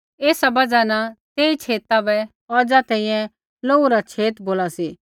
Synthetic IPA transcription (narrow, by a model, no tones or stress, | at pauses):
eːsabɐd͡ʒanat̪eːit͡ʃʰeːt̪abɛ | ɔːd͡ʒat̪ɛ̃ːĩjɛ̃ | loːuɾat͡ʃʰeːt̪boːlasi